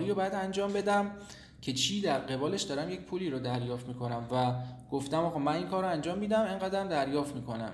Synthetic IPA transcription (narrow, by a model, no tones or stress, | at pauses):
ɾiːɾobɒːjæd̪ænd͡ʒɒːmbe̞d̪æm | cʰe̞t͡ʃʰiːd̪æɾɢe̞bɒːle̞ʃd̪ɒːɾæmje̞cpʰuːliːɾod̪æɾjɒːft̪miːkʰo̞næmvæɡ̥oft̪æmɒːɣɒːmæninkʰɒːɾoænd͡ʒɒːmːiːd̪æmeŋɢæd̪ɾæmd̪æɾjɒːft̪miːkʰo̞næ̰m